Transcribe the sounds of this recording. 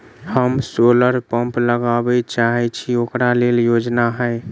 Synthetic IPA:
həmsoləɾpəmpləɡabɛt͡ʃaɦɛt͡ʃʰiokɾaleljod͡ʒnaɦəɪ

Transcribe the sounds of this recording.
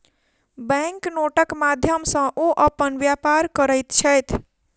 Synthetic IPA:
bɛ̃ŋknoʈəkmad̪ʱjəmsə̃ʔoʔəpənʋjapaɾkəɾəjt̪t͡ʃʰəjt̪ʰ

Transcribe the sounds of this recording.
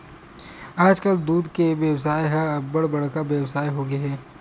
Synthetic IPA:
aːd͡ʒkəld̪uːd̪keʋjɐwsaːjɦɐɐbɐɽbɐɽkabjɐwsaːjɦoːɡeɦɛː

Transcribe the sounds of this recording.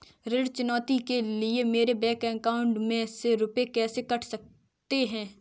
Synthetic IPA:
ɾɪɽt͡ʃʊnɔːt̪ikeliemeːɾebɛːkɛ̃ːkaːʊɳʈmẽseɾʊpekɛːsekɐʈʰsɐk̚ | t̪eɦɛ̃ː

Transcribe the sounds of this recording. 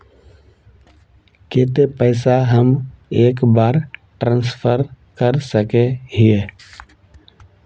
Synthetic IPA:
keːt̪epəɪsaɦəmeːkbaːɾʈɾãːnspʰəɾ | kəɾsəkeɦie

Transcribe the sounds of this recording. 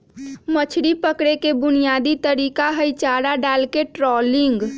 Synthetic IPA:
mət͡ʃʰɽipəkɽekebʊnijad̪it̪əɾikaɦəjt͡ʃaɽaɖalkeʈɾɔliŋɡ

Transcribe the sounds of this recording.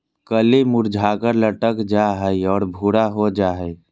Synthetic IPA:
kəlimʊɾd͡ʒʱaːkəɾləʈəkd͡ʒaɦəiɔːɾbʱuɽaɦod͡ʒaːɦəi

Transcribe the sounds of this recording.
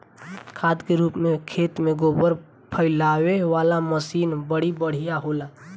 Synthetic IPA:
kʰaːd̪keɾuːpmẽkʰeːt̪mẽɡoːbəɾ | pʰəɪlaːweʋaːlaməsiːnbəɽ̤ibəɽ̤ijaɦoːlaː

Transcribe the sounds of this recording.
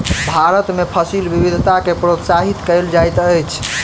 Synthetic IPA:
bʱaɾət̪mepʰəsilbibid̪ʱt̪akepɾot̪saɦit̪kəjld͡ʒajt̪əjt͡ʃʰ

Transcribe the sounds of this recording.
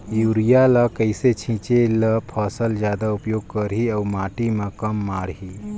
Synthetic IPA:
juːɾijalakəɪset͡ʃʰĩːt͡ʃeləpʰəːsəld͡ʒjaːd̪aʊpjoːɡ̚kəɾɦiəːmaːʈimãkəmːaːɽɦi

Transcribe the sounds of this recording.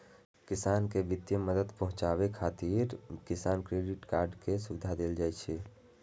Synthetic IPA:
kɪsaːnkeʋɪd̪jəməd̪əd̪pəɦʊ̃t͡ʃaːʋekʰaːt̪iːɾkɪsaːnkɾeːɖɪʈkaːɾɖkesʊd̪ʱad̪eːld͡ʒaːɛt͡ʃʰɛ

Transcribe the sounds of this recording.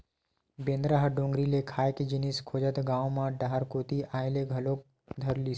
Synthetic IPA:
bẽːnd̪ɾaɦɖõːŋɡɾilekʰaːjked͡ʒɪniskʰoːd͡ʒət̪ɡaːõmãɖaɦəɾkoːt̪iʔaːeleɡʱɐlok̚ | d̪ʱɐɾliː

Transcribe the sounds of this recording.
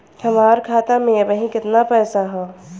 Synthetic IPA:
hɐmaːɾkʰaːt̪amẽɐbəɦĩkɪt̪napɛːsaɦɛː

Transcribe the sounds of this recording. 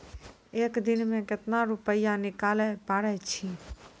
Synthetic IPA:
eːkd̪ɪnmẽkɪt̪naɾʊpəjãnɪkaːlɛpaːɽɛt͡ʃʰi

